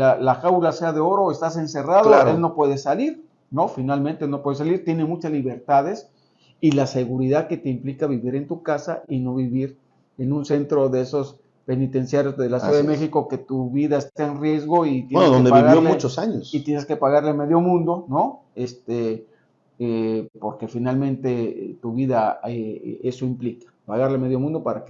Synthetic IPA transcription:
lalaxawlase̞aðe̞o̞ɾo̞est̪ase̞nse̞raðolaɾellno̞pwe̞ðe̞saliɾ | no̞finalment̪elno̞pwe̞ðs̬aliɾt̪je̞ne̞mut͡ʃazliβe̞ɾt̪aðe̞s | ilase̞ɣuɾiðaðke̞t̪e̞implikaβiβiɾe̞nt̪ukasaino̞βiβiɾ | e̞nũnse̞nt̪ɾo̞ðeeso̞s | pe̞nit̪e̞nsjaɾjo̞zelasjuðaaðeemexiko̞ke̞t̪uβiðaest̪aenrje̞zɣo̞it̪jeenneoðond̪eβiɣaoleut͡ʃosaɲosit̪je̞neskepaɣaɾleme̞ðjo̞mũnd̪o̞no̞ | est̪e | epo̞ɾke̞finalmẽ̞nt̪e̞t̪uβiðaee̞so̞implikḁpaɣaɾleme̞ðjo̞mũnd̪o̞paɾak

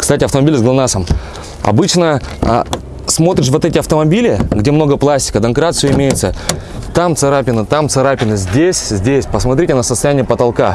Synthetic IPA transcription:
kst̪atʲɪɐft̪əmɐbʲilʲɪzɡlˠɐnasəm | ɐ̰bɨt͡ɕnə | smo̞t̪ɾʲɪʂ̬vo̞t̪ɛtʲɪɐft̪əmɐbʲilʲɪɡdʲemno̞ɡəplˠasʲtʲɪ̥kəd̪ɐnkɾat̪sɨjʊɪmʲejɪt̪sə | t̪amt̪sɨɾapʲɪnɨt̪amt̪sɨɾapʲɪnɨzʲdʲesʲzʲdʲesʲpəsmɐt̪ɾʲitʲɪnəsəst̪ɐjænʲɪjəpət̪ɐlˠka

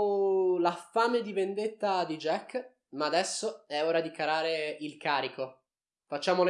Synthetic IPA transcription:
lafaːmed̪ivend̪et̪ːad̪id͡ʒɛkː | maːd̪ɛsːoɛoːɾad̪ikaɾaːɾeilkaːɾiko | fat͡ʃːaːmol

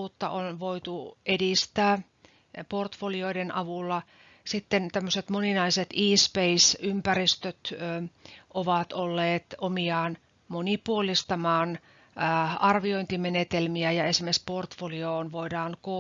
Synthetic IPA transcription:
uːt̪ːɑ̰ʔonʋoit̪uʔedist̪æː | port̪folioidenʔɑʋulːɑ | sit̪ːent̪æmːøset̪moninɑiset̪iːspeisympærist̪øt̪ː | ʔoʋɑt̪olːeːt̪omiɑːn | monipuolist̪ɑmɑːn | ɑrʋioint̪imenet̪elmiæjɑesimesport̪folioːnʋoidɑːŋko

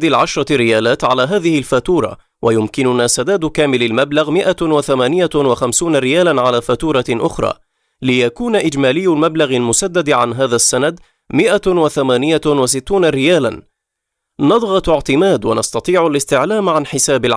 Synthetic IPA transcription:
d̪ɪlʕaʃɾˤɑɾɪjaːlaːt̪ʕalaːɦaːðɪhɪlfat̪uːɾˤɑ̰ | wʔajʊmkɪnʊnaːsad̪aːd̪kaːmɪlalmablaɣmɪʔawaθamaːnɪjawaxamsuːnaɾɪjaːlanʕalaːfat̪uːɾˤɑʔʊxɾˤɑ̰ː | lɪjakuːnaʔɪd͡ʒmaːlɪjːalmablaɣalmʊsad̪ːad̪ʕanɦaːðasːanad̪ | mɪʔawaθamaːnɪjawas̬ɪt̪ːuːnaɾɪjaːla̰n | nɑd̪ˤɣɑt̪ɪʕt̪ɪmaːd̪wanɑst̪ɑt̪ˤiːʕalɪst̪ɪʕlaːmʕanħɪsaːbɪlʕ

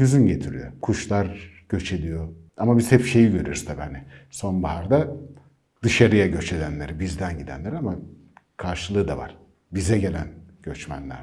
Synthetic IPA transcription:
yzynɟe̞t̪ʰiɾy̰jo̰kʰuʃlˠaɾ | ɟ̥ø̞t͡ʃʰed̪ʲijo | amabiz̥hɛpʃe̞jiɟøɾyɾyst̪ʰabianɛso̞nbahaɾd̪a | d̪̥ɯʃaɾɯjaɟø̞t͡ʃe̞d̪ænlʲeɾibizd̪ænɟid̪æ̰nlʲeɾama | kʰaɾʃɯlˠɯːd̪a̰va̰ɾ̥ | bizɛɟe̞lʲænɟ̥ø̞t͡ʃmæ̰nlʲæ̰ɾ

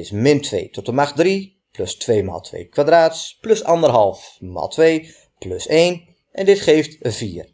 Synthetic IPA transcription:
ɪsmɪntʰʋḛjtʰɔtəmaχdri | plɵstʋeːma̰lˠtʰʋḛjkʋadraːtsplɵsɑndərɦɑlˠfma̰ːlˠtʰʋej | plɵseːn | ʔɛndɪtχeːftəviːər

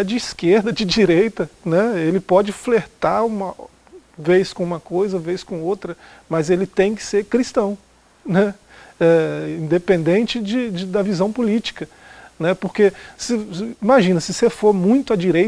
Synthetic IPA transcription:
ɛd͡ʒɪiskeɾd̪ɐd͡ʒɪd͡ʒiɾejt̪ɐnɛelɪpɔd͡ʒɪfleɾt̪aɾũmɐ | vejskõũmɐkojzɐvejskõowt̪ɾɐ | mɐzelɪt̪ẽj̃kɪ̥seɾkɾist̪ɐ̃w̃ | nɛ | ɛĩd̪epẽnd̪ẽnt͡ʃɪd͡ʒɪd͡ʒɪd̪ɐvizɐ̃w̃pulit͡ʃi̥kɐ | nɛpoɾkesɪimaʒĩnɐsɪsefoɾmũj̃t̪ʊɐd͡ʒiɾej

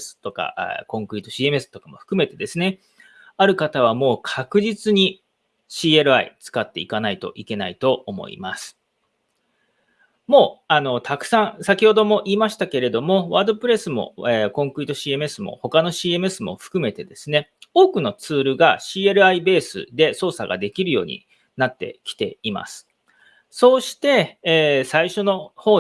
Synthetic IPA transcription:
sɨ̥t̪o̞ka̰kõ̞ŋkɯ̟ɾit̪oɕiːemesɨ̥t̪o̞kamo̞ɸɯ̥kɯ̟me̞t̪e̞d̪e̞sɨne̞ | aɾɯ̟kat̪aβ̞amo̞ːkʰakɯ̟ʑit͡sɨɲ̟i | ɕiːeɾɯ̟aḭt͡sɨ̥kat̪ːe̞ikanait̪o̞̰ʔike̞na̰it̪o̞ːmo̞̰ḭmasɨ̥ | mo̞ːano̞t̪ʰakɯ̟̥sãɰ̃sakʲiho̞d̪o̞mo̞ʔiːmaɕi̥t̪ake̞ɾe̞d̪o̞mo̞βaːd̪o̞pɯ̟ɾe̞sɨmo̞̰ekõ̞ŋkɯ̟ɾit̪o̞ɕiːe̞mɯesɨmo̰ho̞kano̞ɕiːe̞me̞sɨmo̞̰ɸɯ̟̥kɯ̟me̞t̪e̞d̪e̞sɨne̞o̞ːkɯ̟no̞t͡sɨːɾɯ̟ɡaɕiːe̞ɾɯ̟aibe̞ːsɨ̰d̪e̞so̞ːsaɡa̰d̪e̞kʲiɾɯ̟jo̞ːɲ̟ḭ | nat̪ːe̞̰kʲi̥t̪e̞̰ima̰sɨ̥ | so̞ːɕi̥t̪e̞ːsaiɕo̞no̞hoː

